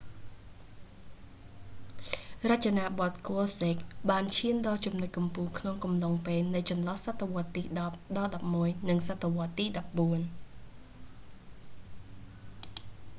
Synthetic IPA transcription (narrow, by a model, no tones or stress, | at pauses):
rac̚t͡ɕanaːɓot̪̚koəseːk̚ɓaːnt͡ɕʰiənɗɑːt͡ɕumnoc̚kɑmpuːhkʰnoŋkɑmloŋpeːlnɨjt͡ɕɑnlɑhsat̪ʰːaʋŏət̪ːiːɗɑp̚ɗɑlɗɑp̚muəjnɨŋsat̪ʰːeʋŏət̪ːiːɗɑp̚ɓuən